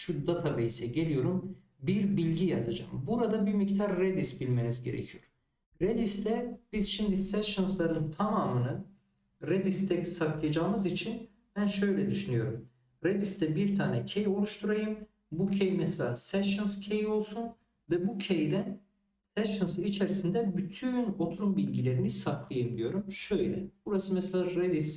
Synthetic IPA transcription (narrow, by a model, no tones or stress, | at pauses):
ʃud̪at̪ʰabejisɛɟe̞lʲijo̞ɾum | biɾbilʲɟijazad͡ʒa̰ːmbuɾad̪abiɾmict̪ʰaɾːed̪isbilʲme̞nizɟe̞ɾḛcʰijo̞ɾ̥ | ɾed̪ist̪ɛbizʃimd̪isæʃɯnslˠaɾɯnt̪ʰamaːmɯnɯ | ɾed̪ist̪ʰɛsakʰlˠajad͡ʒaːɯmɯzit͡ʃʰin | b̥ænʃø̞jlʲɛd̪yʃynyjo̞ɾum | ɾed̪ist̪ɛbiɾt̪ʰaːnɛcʰejo̞lˠuʃt̪ʰuɾajɯm | bucʰejimɛselʲa̰ːsæʃɯnscʰejio̞lˠsun | vɛbucʰejd̪ɛn | sæʃɯnsɯit͡ʃʰeɾisind̪ɛbyt̪ʰyno̞t̪ʰuɾumbilʲɟilʲe̞ɾinisaklˠajɯmd̪ijo̞ɾumʃøjlʲɛ̰b̥uɾasɯmɛselʲaːɾed̪is